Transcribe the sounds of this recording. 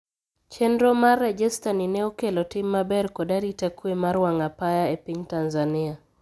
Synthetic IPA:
t͡ʃɛndɾɔmarːɛd͡ʒɛstaninɛɔkelɔtimːabɛɾkɔdaɾitakuemaɾwaŋapajaepiɲtanzanɪa

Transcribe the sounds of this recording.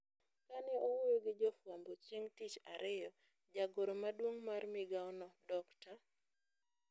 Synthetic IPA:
kanɛowuɾoɡɪd͡ʒɔfwambot͡ʃjeŋtit͡ʃa̰ɾʔɪjɔ | d͡ʒaɡoɾomadwoŋmarmɪɡaɔnɔdɔkta

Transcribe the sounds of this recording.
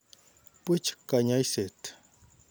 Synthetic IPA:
pət͡ʃkaɲajset̪

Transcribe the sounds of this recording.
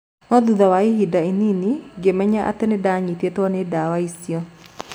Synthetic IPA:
nɔd̪ud̪ɔwaiɦidaininiɡemɛɲaʔa̰t̪enedaɲit̪jet̪anedawaisjɔ

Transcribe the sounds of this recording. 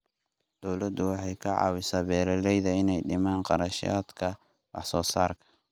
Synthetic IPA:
d̪̥ɔwlɐd̪ʊwɑħɑjkʰɐʕɑ̰ːwɪsaːbɛːɾɛlɛjðɐɪnɛjɖɪmaːnqɑɾɐʃa̰ːd̪kʰɐ | wɑ̰ħsɔːsa̰ːrkʰɐ̥

